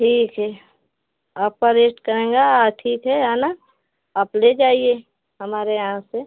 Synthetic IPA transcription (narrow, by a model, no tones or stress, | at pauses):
ʈʰiːkɦɛ | aːpːəɾeːsʈkəɾẽːŋɡaʈʰiːkɦɛɦaːna | aːpled͡ʒaːie | ɦɐmaːɾeããse